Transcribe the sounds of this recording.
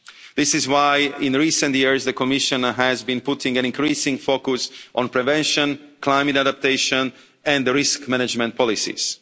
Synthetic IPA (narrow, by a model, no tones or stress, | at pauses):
ðɪsɪzwajɪ̃nɹiːsə̃ntjiɹzðəkɔmɪʃə̃nɦæzbĩnpʊtɪ̃ŋɛ̃nɪ̃ŋkɹiːsɪ̃ŋfokʊsʔɔ̃npɹɛvɛ̃nʃə̃nklaɪmɨtadap̚t̪eɪʃə̃n | ɛ̃ndɹɪskmɛnɛd͡ʒmɛ̃nt̚pɔlɪsḭs